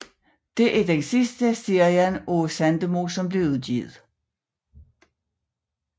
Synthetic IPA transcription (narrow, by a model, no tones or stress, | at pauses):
d̥e̝ʔæd̥ensisd̥əsiɐjænosænd̥əmo̝ːsɒ̽mb̥le̝ʊuðˠɡ̥jḭð̞̩ˠ